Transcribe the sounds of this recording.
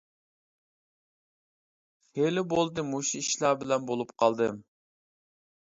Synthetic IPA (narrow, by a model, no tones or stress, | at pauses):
helɪbolˠd̪ɨmuʃiiʃlˠɑbɪlɛnbolˠupqʰɑlˠd̪ɨ